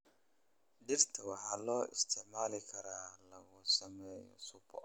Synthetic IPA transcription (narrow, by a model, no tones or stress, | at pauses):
dɪɾtʰawahalɔɪ̰stʰɪʕmaːlɪkʰɐɾalaɡʊsɐmɛjɔ̰sʊpʰɔ̰